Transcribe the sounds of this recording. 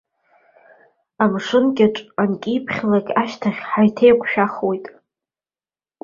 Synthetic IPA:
amʂɨnkʲʼaʈ͡ʂʼankʲʼipʰχʲlakʲʼaʃtʰaχʲħajtʰejkʷʰʼʃᶣaχwe̞jtʼ

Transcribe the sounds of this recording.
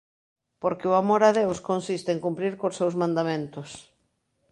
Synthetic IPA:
poɾkɪoamoɾaðewskonsist̪eeŋkumpɾiɾkosewsmãnd̪amẽnt̪ʊs

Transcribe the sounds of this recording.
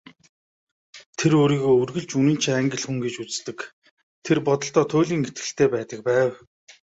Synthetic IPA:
t̪ʰeɾoːɾiːɣoːɵrɣɘ̆ɮt͡ɕunĭːnt͡ɕʰiæŋɡə̆ɮxuŋɡet͡ɕut͡st̪ɘ̆k | t̪ʰerpɔt̪ɞ̆ɬt̪ɔːt̪ʰʊːɮʲiːŋet̪ɡɘ̆ɬt̪ʰeːpæːt̪ə̆k̚pæːw

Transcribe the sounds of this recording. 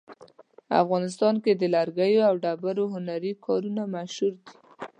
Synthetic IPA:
a̰fɣɑnɪs̬t̪ɑnked̪əlaɾɡajoawɖabaɾoɦʊnaɾikʰɑɾunamaʃhuɾd̪i

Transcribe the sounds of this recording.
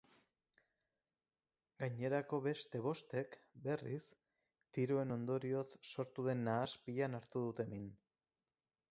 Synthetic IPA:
ɡaɲe̞ɾako̞βe̞st̪e̞β̞o̞st̪e̞kbe̞ris | t̪iɾoe̞no̞nd̪o̞ɾio̞t͡sːo̞ɾt̪uð̞e̞nːaːspiʎanaɾt̪uð̞ut̪e̞min

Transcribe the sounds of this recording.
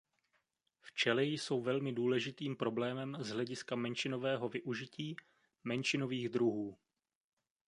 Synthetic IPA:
ft͡ʃɛlɛjso̞wvɛlmɪduːlɛʒɪt̪iːmpɾo̞blɛːmɛmzɦlɛɟɪskamɛnʃɪno̞vɛːɦo̞vɪʔuʒɪciː | mɛnʃɪno̞viːɣd̪ɾuɦuː

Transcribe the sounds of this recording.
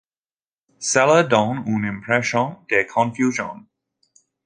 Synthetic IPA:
sɛlədɔ̃nũnɪ̃mpʰɹɛʃɔ̃ndekʰɔ̃nfjuʒɔ̰̃n

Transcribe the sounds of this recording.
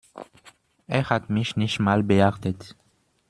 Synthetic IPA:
ʔeːɐhatmɪçnɪçtmaːlbəhaʁtət

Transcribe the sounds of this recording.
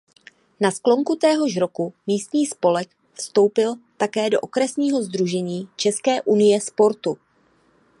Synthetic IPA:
nasklo̞ŋkut̪ɛːɦo̞ʃɾo̞kumiːst̪ɲiːspo̞lɛk | fst̪o̞wpɪlt̪akɛːdo̞̰ʔokɾɛsɲiːɦo̞zd̪ɾuʒɛɲiːt͡ʃɛskɛːʔunɪjɛspo̞ɾt̪u

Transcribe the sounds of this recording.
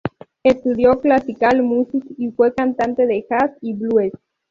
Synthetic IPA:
est̪uðjoklasikalmusikifwekant̪ant̪eðexasiβlues

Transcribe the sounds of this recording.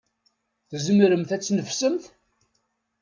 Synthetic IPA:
θzmɾəmθæt͡sːnəvsəmθ

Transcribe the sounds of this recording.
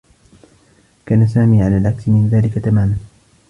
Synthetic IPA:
kaːnasaːmiːʕalaːlʕaksmɪnðaːlɪkat̪amaːman

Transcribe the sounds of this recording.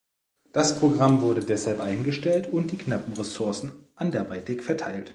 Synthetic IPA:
d̥aspʁ̥oɡʁamvʊɐdədɛshalpʔaɪnɡəʃtɛltʊnt̚d̥iːknapm̩ʁɛsʊɐsn̩ʔandɛɐbaɪtɪkfɛɐtʰaɪlt

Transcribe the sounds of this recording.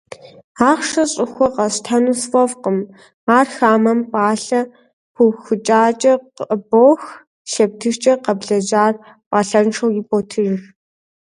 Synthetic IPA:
aːχʂɐɕʼɪxʷɔqɐɕtʰɐnusfʼɔvqəm | aːrxaːmɐmpʼaːɬɐ | pʰʷuxʷɨt͡ʃʼaːt͡ʃʼɐqboːx | ʃɐp̚tʰɨʃt͡ʃʼɐqɐbɮɐd͡ʒaːr | pʼaːɬɐnʈ͡ʂʰɐwɪpʼoːtʰɨʒx

